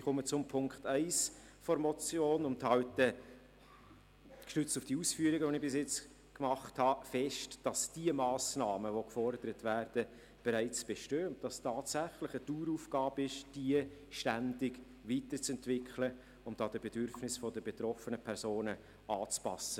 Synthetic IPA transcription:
iχʊmət͡sʊmpʰʊŋkχtɛɪs | fɔɾmɔt͡sjoːnʊnthɑwtə | kʃtʏt͡stufd̥iuːsfyːəɾɪɡəʋɔnɪbɪsɪt͡s | kmɑχthɑfɛʃtd̥ɑsd̥iəmɑːsnɑːməʋokfɔɾdəɾətvæːɾd̥ə | b̥eɾæɪt͡sb̥eʃtøːʊnt̚d̥ɑstɑːtsæχlɪχətuːɾufɡ̥ɑːbɪʃd̥iəʃtændɪɡ | ʋiːt̪əɾt͡sɛntvɪkʰχlə | ʊmd̥ɑːd̥əbedʏɾfnɪsfɔdəbet̪ɾɔfənəpʰɛɾsoːnə | ɑːt͡spɑ̰sə

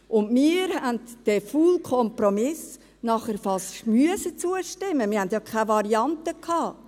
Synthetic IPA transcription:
ʔʊndmɪːɾhændd̥ɛfuːlkʰɔmpɾɔmɪs | nɑχəɾfɑsmyəsət͡suəʃtɪmːəmɪhændjɑkʰavɑɾiɑntəkʰɑː

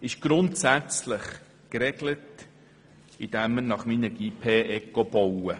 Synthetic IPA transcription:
ɪʃɡ̥ɾʊntsæt͡slɪχ | kɾɛɡlət | id̥̪æmənɑχminəɡ̥iːpʰeːʔɛkːɔb̥ɔwə

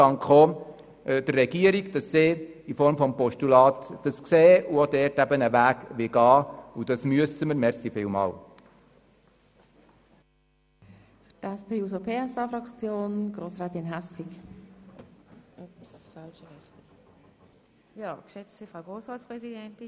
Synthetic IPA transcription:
ɑŋkχoː | d̥ərːɛɡiəɾiɡd̥ɑsːɪ | ifɔɾmfɔmpɔʃtulɑːt̪d̥ɑskseːuodɛɾtæbənəʋæːɡʋɪɡɑːud̥ɑsmyəsəməɾmɛɾsifɪːlmɑ̰ːl | ftɛspeːuːzopʰeːɛsɑfɾɑkt͡sjoːnɡ̥roːsʁaːt̪ɪnɦɛsik | psfɑlʃəhɛχt̪ | jɑːkʃɛt͡ssɪfʁaʊɡ̥ʁoːsʁaːtt͡spʁɛsidɛntɪ

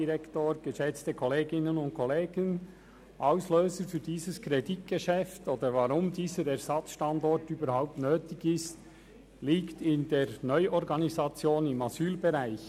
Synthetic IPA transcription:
iɾɛktoːɡ̥əʃɛt͡stəkʰoleːɡɪnənʊnt̚kʰoleːɡ̥ən | ʔɑʊsløːzəfyːdiːzəskɾedit̚ɡ̥əʃɛftoːdəɾvɑɾʊmdiːzəɾɛɾz̥ɑt͡sʃtɑndɔɾtyːbəɾhaʊp̚tnøːtɪɡɪst | liːktɪndeːɾnɔʏʔɔɾɡɑnizɑt͡sjoːnɪmɑzyːlbɛɾaɪç

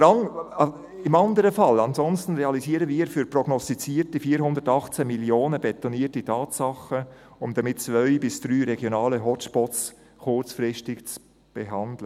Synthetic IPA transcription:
ɾɑŋ | ɪmɑndəɾəfɑlɑnzɔnstn̩ɾeɑliziːɾəviːəɾfyɾprɔɡnɔstit͡siːɾtifiːɾɦʊndətɑχt͡seːmiljoːnəbɛt̪ɔniːtitʰɑːtsɑχə | ʊmdɑmɪtt͡svœʏbɪsd̥ɾyːɾɛɡjonɑːləɦɔt͡ʃb̥ɔts | kʊrt͡sfɾɪʃtɪkt͡s | b̥ɛɦɑndlə

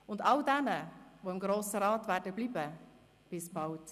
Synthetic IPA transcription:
ʊndɑldɛnəʋoɪmɡɾoːsəɾɑːtʋæːɾdəb̥liːbə | b̥ɪsbɑwt

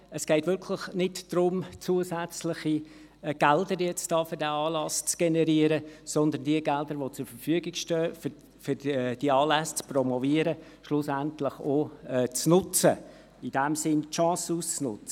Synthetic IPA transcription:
əsɡ̥ɛɪtvʋʏɾkʰlɪχnɪtd̥rʊmt͡suəzæt͡slɪχi | ɡ̥ɛldəɾjɛt͡sd̥ɑːfʏɾdɛːɑːlɑst͡sɡ̥enɛɾiəɾəsɔnd̪əndiəɡɛld̪əɾʋot͡sʊɾfəɾfyəɡɪɡ̥ʃtœː | fʏd̥iəɑːlæst͡sprɔmɔviəɾə | ʃlʊsæntlɪχoːɛt͡snʊt͡sə̰ | id̥ɛmsɪntʃɑ̃ːsuːst͡snʊt͡sə̥

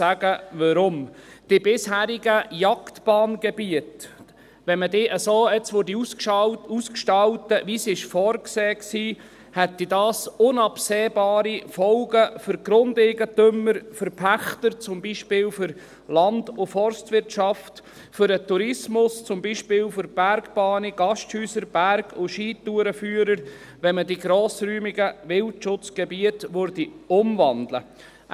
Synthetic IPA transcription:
æɡəʋɔɾʊmd̥ɪbɪshæːɾiɡəjɑktb̥ɑːnɡ̥ɛbiət | ʋɛnmədɪːʔəsoːɛt͡sʋʊɾdi | uskʃtɑwtəʋisɪʃfɔːɾkseːksiː | hɛtːidɑːsʊnɑpseːbɑːɾifɔlɡəfʏɾɡ̥ɾʊndɛɡətʏmːəɾfəɾpʰæχtəɾt͡sʊmbiːʃpɪːlfʏɾ | lɑndʊfɔɾstvɪɾtʃɑft | fʏɾətuɾɪsmʊst͡sʊmbiːʃpɪːlfʏɾb̥æɾɡb̥ɑːniɡ̥ɑʃthyːsəɾb̥æɾɡʰʊʃiːtuːɾəfyːəɾəɾ | ʋɛmədiɡɾɔːsɾyːmiɡəʋɪltʃʊt͡sɡ̥ɛbiətʋøɾdiʊmvɑnd̪lə̰

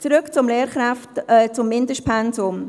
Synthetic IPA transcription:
t͡sɾʏkt͡sʊmleːɾχɾaftɛt͡sʊmːɪndəʃtpʰɛnsʊm

